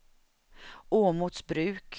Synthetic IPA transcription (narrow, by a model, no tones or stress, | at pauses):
oːmut̪sbɾʉ̟ːk